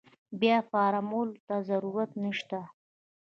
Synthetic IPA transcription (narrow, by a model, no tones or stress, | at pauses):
bjɑfɑɾamolt̪azaɾuɾat̪nəʃt̪a